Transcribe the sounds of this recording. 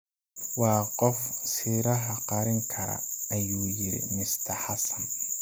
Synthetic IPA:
wɑːqɔfsiːɾɐɦɐqɑɾɪŋkʰɐɾɐ̰ːjuːjɪɾɪ̰mɪst̪ʰɐħɑsɐn

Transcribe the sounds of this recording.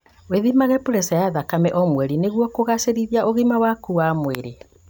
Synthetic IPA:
weðimaɣɛpoɾɛsɛjaðakamɛʔɔmwɛɾineɣwɔkoɣaseɾiðiaʔoɣimawakuwamweɾe

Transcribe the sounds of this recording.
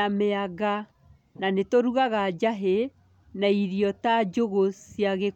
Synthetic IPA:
ameaɣa | nanetoɾuɣaɣad͡ʑaɦe | naiɾiɔtad͡ʑoɣosjaɣe

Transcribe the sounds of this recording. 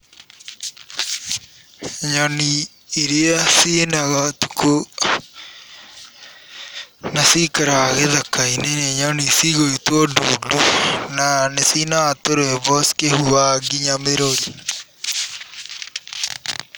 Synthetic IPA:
ɲɔni | eɾiasienaɣatu̥kʰo | nasikaɾaaɣeðakaineeɲɔnisiɣoitwɔduːdunanesinaatoɾɛβɔskehuβaɡiɲameɾoɾi

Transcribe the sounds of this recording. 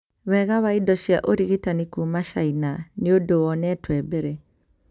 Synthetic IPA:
wɛɣawaidɔʃiaʔoɾiɣitanikumaʃainaneodowɔnɛtwɛbeɾɛ

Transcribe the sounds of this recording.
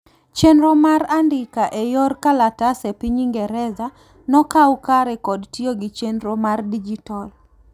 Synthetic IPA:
t͡ʃenɾomaɾandikaʔejɔrkalatasepiɲiŋɡɛɾɛza | nɔkawkaɾɛkɔdtioɡit͡ʃenɾomardid͡ʒitɔl

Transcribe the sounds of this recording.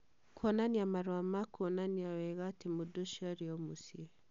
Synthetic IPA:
kʰɔnaniamaɾwamakɔnaniawɛɣatimuduʃaɾiomusie

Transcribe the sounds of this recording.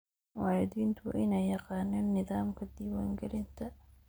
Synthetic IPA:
wɑːjɐd̪iːnt̪ʰʊʔɪ̰nɛjːɑqɑːnːɛːnːɪðaːmkʰɐd̪iːwaːŋɡɛɾɪnt̪ʰɐ

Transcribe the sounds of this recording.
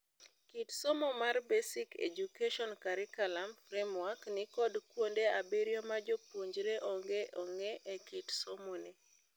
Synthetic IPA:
kitsomɔmarbesɪkḛd͡ʒukeʃɔnkaɾɪkalamfɾɛmwaknɪkɔdkwondeabeɾjomad͡ʒopwoɲd͡ʒɾeʔɔŋɡeʔɔŋeʔekitsomone

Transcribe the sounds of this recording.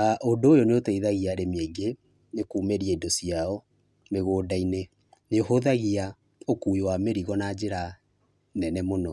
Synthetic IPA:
aʔodooːjoneotaiðaɣiaɾemeɡe | nekuːmeɾiaidosiaɔ | neɣodaine | neohoðaɣia | okuiwameɾiɣɔnad͡ʑeɾa | nɛnɛmonɔ

